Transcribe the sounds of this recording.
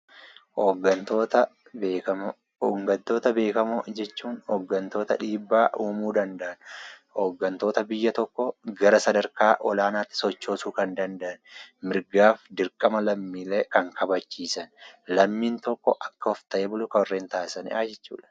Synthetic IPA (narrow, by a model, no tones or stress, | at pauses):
oɡɐnt̪oːt̪ɐ | bɐmː | ŋɡɐnt̪o̞ːt̪ɐbe̞ːkɐmʊd͡ʒɛt͡ʃːuːnhɔɡːɐnt̪o̞ːt̪ɐᶑiːbːaːʔuːmuːd̪ɐnd̪ɐʔɐnhoːɡːɐnt̪o̞ːt̪ɐbɪjːɐt̪ɔkːɔɡɐɾɐsɐd̪ɐɾkaːʔɔlaːnaːt̪ːɪ̥sɔt͡ʃːo̞ːsuːkɐnd̪ɐnd̪ɐʔɐnmɪɾɡaːfd̪ɪɾkʼɐmɐlɐmːiːleːkɐŋkʰɐbɐt͡ʃːiːsɐnlɐmːiːnt̪ɔkːɔʔɐkːɐɔft̪ɐʔeːbʊlʊkɐɔrːeːnt̪aːsɐnɪ̰aːd͡ʒɛt͡ʃːṵːᶑɐ̥